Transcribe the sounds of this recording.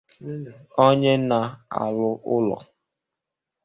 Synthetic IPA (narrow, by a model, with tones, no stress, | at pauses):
o˦ɲe˦na˨a̰˨lʊ˦ʔʊ˦lɔ̰˨